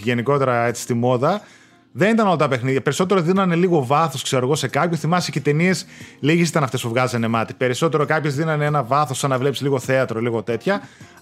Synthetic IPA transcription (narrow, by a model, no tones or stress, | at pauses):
ʝe̞niko̞t̪e̞ɾɐe̞t͡si̥st̪imo̞ðɐ | ðenit̪ɐno̞lɐt̪ɐpe̞xniðʝɐpe̞ɾiso̞t̪̬eɾoðinɐneliɣo̞vɐθo̞skse̞ɾo̞ɣo̞se̞kɐpçoθimɐsecet̪enie̞sliʝisit̪ɐnɐft̪e̞spuvɣɐzɐnemɐt̪i̥pe̞ɾiso̞t̪e̞ɾo̞kɐpçezðinɐneenɐvɐθo̞sːɐnːɐvle̞psi̥liɣo̞θe̞ɐt̪ɾo̞liɣo̞t̪e̞t̪çɐ